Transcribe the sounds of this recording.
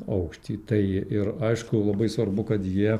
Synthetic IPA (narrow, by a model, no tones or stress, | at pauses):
ɐʊkʃʲt̪ʲiːt̪ɐɪɪɾɐɪʃkʊlˠɐbɐɪsʋɐɾbʊkɐt̪jiɛ